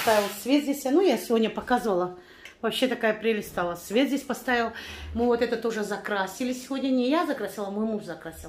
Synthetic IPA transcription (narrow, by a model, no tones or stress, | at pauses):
st̪avʲɪlˠsvʲet̪zʲdʲesʲjanujasʲɪvo̞dʲnʲəpɐkazɨvəlˠə | vɐpɕːe̞t̪ɐkajəpɾʲelʲɪst̪alˠəsvʲe̞t̪zʲesʲpɐst̪avʲɪlˠmɨvot̪ɛt̪ət̪o̞ʐɨzɐkɾasʲɪlʲɪsʲɪvʲo̞dʲnʲənʲɪjazɐkɾasʲilˠəmojmuʐzɐkɾasʲil